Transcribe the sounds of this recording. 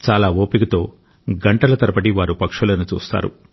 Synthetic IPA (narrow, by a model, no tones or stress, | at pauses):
t͡ʃaːlaːoːpikɐt̪o̞ː | ɡɐɳʈɐlɐt̪ɐɾɐpɐʈiʋaːɾupɐkʂulɐnut͡ʃṵːst̪a̰ːɾṵ